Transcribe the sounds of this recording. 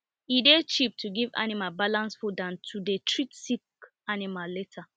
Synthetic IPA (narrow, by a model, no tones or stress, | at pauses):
idet͡ʃip̚tʰuɡiva̰nimalbalãnsfɔdãntʰudetʰɹitsik | animalletʰa